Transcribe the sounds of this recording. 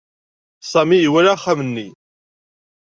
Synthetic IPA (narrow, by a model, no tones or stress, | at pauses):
sˤɑmijiwælaχamənːi